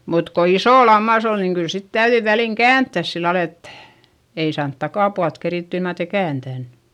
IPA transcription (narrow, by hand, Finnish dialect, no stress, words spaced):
mut ko isoˑ lɑmːɑs on niŋ kyl sit tæyðyi ʋæliŋ kæːntːæs silːɑl et ei sɑːnt tɑkɑˑpuɑlt keriˑtːy ilmɑn etei kæːntæn